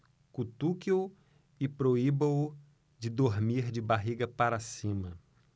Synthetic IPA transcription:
kut̪ukio | ɪpɾoibɐ | d͡ʒɪd̪oɾmiɾd͡ʒɪbaɦiɡɐpaɾasĩmɐ

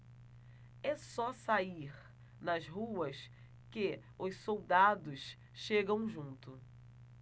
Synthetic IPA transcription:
ɛsɔsaiɾ | nɐzɦuɐs | kɪ | ʊssowd̪ad̪ʊs | ʃeɡɐ̃w̃ʒũnt̪ʊ

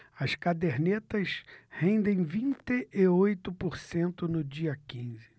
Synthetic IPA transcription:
ɐskad̪eɾnet̪ɐshẽnd̪ẽj̃vĩnt̪ɪʔɪojt̪ʊpoɾsẽnt̪ʊnʊd͡ʒiɐkĩzɪ

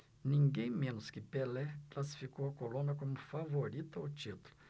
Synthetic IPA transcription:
nĩŋɡẽj̃mẽnʊskɪpelɛklasi̥fikowɐkolõnɐkõmʊfavoɾit̪ɐwt͡ʃit̪ulʊ

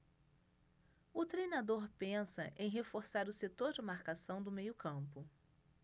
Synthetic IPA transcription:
ʊt̪ɾejnad̪oɾpẽsɐ̰ʔẽj̃ɦefoɾsaɾʊset̪oɾd͡ʒɪmaɾkasɐ̃w̃d̪ʊmejʊkɐ̃pʊ

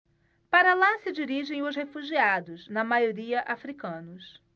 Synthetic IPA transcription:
paɾɐlasɪd͡ʒiɾiʒẽj̃ʊzhefuʒiad̪ʊznɐmajoɾiɐʔafɾikɐ̃nʊs

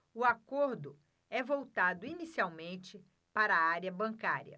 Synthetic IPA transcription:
ʊakoɾd̪ʊ | ɛvowt̪ad̪ʊinisiawmẽnt͡ʃɪ | paɾɐaɾiɐbɐ̃ŋkaɾjɐ̰

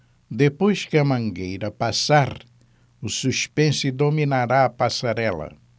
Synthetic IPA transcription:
d̪epojskɪɐmɐ̃ŋɡejɾɐpasaɾ | ʊsuʃpẽsɪd̪ominaɾaɐpasaɾɛlɐ̰

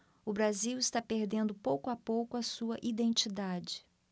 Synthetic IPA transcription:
ʊbɾaziwɪst̪apeɾd̪ẽnd̪ʊpowkʊapowkʊɐsuɐʔid̪ẽnt͡ʃid̪ad͡ʒɪ̥

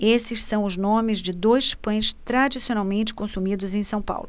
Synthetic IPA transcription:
esɪssɐ̃w̃ʊznõmɪzd͡ʒɪd̪ojʃpɐ̃j̃st̪ɾad͡ʒisionawmẽnt͡ʃɪ̥kõsumid̪ʊzẽj̃sɐ̃w̃pa̰wlʊ

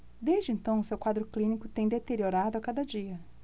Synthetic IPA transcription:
d̪ezd͡ʒɪẽnt̪ɐ̃w̃ʊsewkwad̪ɾʊklĩnikʊt̪ẽj̃d̪et̪eɾioɾad̪ʊakad̪ɐd͡ʒiɐ

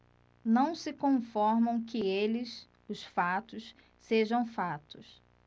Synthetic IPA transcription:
nɐ̃w̃sɪkõfɔɾmɐ̃w̃kɪelɪs | ʊsfat̪ʊs | seʒɐ̃w̃fat̪ʊs

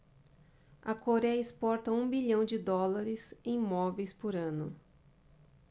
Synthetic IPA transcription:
ɐkoɾɛjɐɪspɔɾt̪ɐũbiʎɐ̃w̃d͡ʒɪd̪ɔlaɾɪsẽj̃mɔvejspoɾɐ̃nʊ

